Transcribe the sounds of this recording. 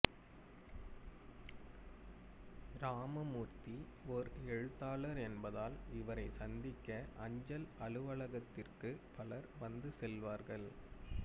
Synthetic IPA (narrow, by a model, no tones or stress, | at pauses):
ɾaːmɐmuːɾt̪iɔɾɛɻɯt̪ːaːlɐɾɛnbɐðaːlɪʋɐɾɐɪsɐnd̪ɪkːɐʔɐɲd͡ʒɐlɐɭɯʋɐɭɐɣɐt̪ːɪrkɯpɐlɐɾʋɐnd̪ɯsɛlʋaːɾɣɐɭ